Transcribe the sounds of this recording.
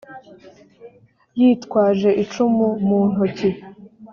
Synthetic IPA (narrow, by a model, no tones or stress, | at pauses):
jiːtkwaːʒe̞ʔit͡ʃumumuːn̥uci